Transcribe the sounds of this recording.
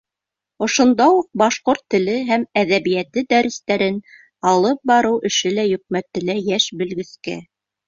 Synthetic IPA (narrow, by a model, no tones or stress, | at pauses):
ŏʃŏnd̪ɑuq̚bɑʃqoɾt̪ːɘ̆lɘɦæmæðæβijæt̪ɘd̪æɾɘ̆st̪æɾɘn | ɑlˠɤp̚bɑɾɤwʔɘ̆ʃɘlæjɵ̆k̚mæt̪ɘ̆læjæʃbɘ̆lɡɘ̆skæ̰